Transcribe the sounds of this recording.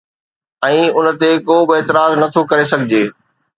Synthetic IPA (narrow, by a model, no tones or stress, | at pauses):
ɛ̃ːʊnə̆t̪ekoːbɪeːt̪ɪɾaːznɐt̪ʰokɐɾesɐɡʱɪd͡ʑeː